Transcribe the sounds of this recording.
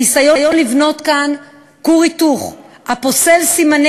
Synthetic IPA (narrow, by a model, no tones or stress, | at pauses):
isajojo̞nlivno̞tkan | kuʁituχ | hapo̞se̞lsiman